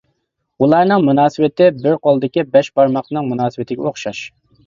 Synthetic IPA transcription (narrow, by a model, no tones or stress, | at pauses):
ulˠɑɾnɨŋmunɑːsɨwɪt̪ɪbɪɾqʰolˠd̪ɪkʲibɛʃbɑɾmɑqnɨŋmunɑːsɨwɪt̪ʰɪɡʲɛoχʃɑʃ